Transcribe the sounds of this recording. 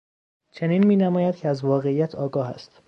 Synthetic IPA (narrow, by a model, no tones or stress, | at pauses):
t͡ʃʰe̞niːnmiːnæmɒːjæd̪̥cʰeæzvɒːɣe̞ijæt̪ʰɒːɡɒːhæ̰st̪